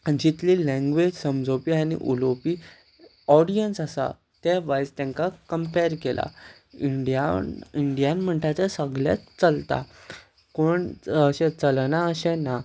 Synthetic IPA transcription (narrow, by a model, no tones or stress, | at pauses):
d͡ʑit̪lilɛ̃ŋɡʋed͡ʑsəmd͡zopianḭʔṵlopiː | ɔɽijənsasa̰ | t̪ɛʋajst̪ɛ̃ŋkakəmpeɾkelʔa̰ | iɳɖijaiɳɖijãnm̤əɳʈ̪at͡sasəɡlja̰t͡st͡səlt̪a̰ | koɳəɕɛ̃t͡səlnaəɕɛ̃na